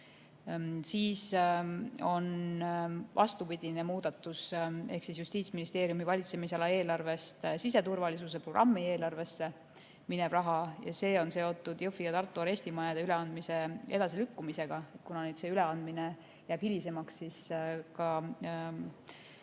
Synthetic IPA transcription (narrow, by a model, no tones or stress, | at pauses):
siːs | o̞n | vɑ̰st̪upid̪ine̞muːd̪̥ɑt̪ːuse̞̰hksis̬just̪iːt̪sminist̪e̞ːɾjumivɑlʲit̪se̞misɑlɑe̞ːlɑrve̞st̪sise̞t̪urvɑlisus̬e̞pro̞ɡ̥rʔɑ̰mːie̞ːlɑrve̞sːe̞ | mine̞b̥rɑɦɑjɑ̰se̞ːo̞nse̞o̞t̪ːˑud̪̥jofijɑt̪ɑrt̪ːˑuɑɾe̞sʲt̪imɑjɑd̪eyle̞ɑnd̪mise̞e̞̰d̪̥ɑsilykːumise̞ɡ̥ɑe̞t̪̚kunɑned̪se̞yle̞ɑnd̪̚mine̞ | jæːb̥hilise̞mɑksːiskɑ